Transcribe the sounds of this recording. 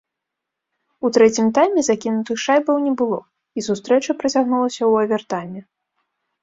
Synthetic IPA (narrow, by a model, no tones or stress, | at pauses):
ut̪ɾɛt͡sʲimt̪ajmʲɛzakʲinut̪ɨxʂajbɐwnʲɛbɨlˠɔ | isust̪ɾɛt͡ʂɐpɾɐt͡sʲaɣnulˠɐsʲɐwɐvʲɛrt̪ajmʲɛ